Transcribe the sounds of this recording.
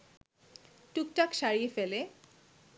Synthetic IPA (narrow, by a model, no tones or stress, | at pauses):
ʈuk̚ʈakʃaɾiefele